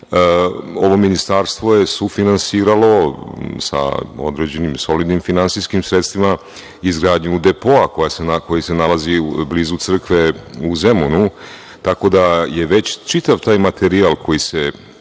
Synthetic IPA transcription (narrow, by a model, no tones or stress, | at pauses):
o̞ʋo̞minist̪aːɾst̪ʋo̞jesufinansiːɾalo̞sa̰o̞̰d̪ɾe̞d͡ʑe̞nimso̞lid̪nimfinansiskimsɾet̪st̪ʋima | izɡɾaːd̪ɲud̪e̞po̞ako̞jasenako̞jise̞nalazibliːzut̪sr̩kʋeuze̞munu | t̪ako̞d̪aje̞ʋe̞t͡ɕt͡ʃit̪aʋt̪aːjmat̪ʰeɾialˠkʰo̞jise